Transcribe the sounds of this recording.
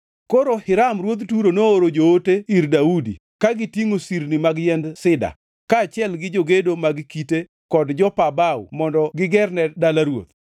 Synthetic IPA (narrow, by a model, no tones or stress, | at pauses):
koɾohɪɾamɾwot̪tuɾonoːɾod͡ʒooteiɾdaudḭ | kaɡɪtiŋosiɾnimaɡjɛndsɪda̰ | kaːt͡ʃɪɛlɡɪd͡ʒoɡedomaɡkite | kɔdd͡ʒɔpabawṵmɔndɔɡɪɡɛrnɛdalaɾwo̰t̪̚